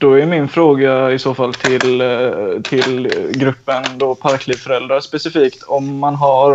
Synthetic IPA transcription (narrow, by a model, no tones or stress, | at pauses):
d̪ɔæɾmɪnfɾoːɡaɪsoːfalt̪ʰɪl | t̪ʰɪlɡɾɵpːənd̪ɔpʰaɾkliːfœɾɛld̪ɾaspɛsɪfiːkt̪ʰɔmːanɦaɾ